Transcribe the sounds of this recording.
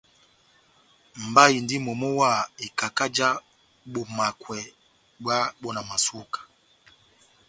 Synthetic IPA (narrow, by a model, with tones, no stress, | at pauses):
m˨ba˦i˨ndi˦mɔ˨mɔ˦wa˦˨i˨ka˨ka˦d͡ʒa˦ | ɓɔ˨ma˨kwɛ˨ | bwa˦ɓɔ˦na˨ma˨su˦kḁ˨